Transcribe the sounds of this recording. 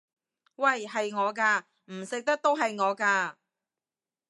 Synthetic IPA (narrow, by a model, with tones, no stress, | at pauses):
wɐ˨jɦɐ˨jŋɔː˨˧k̬aː˧ | m̩˨˩sɪ˨k̚t̪ɐ˥k̚t̪o˥wɦɐ˨jŋɔː˨˧kaː˧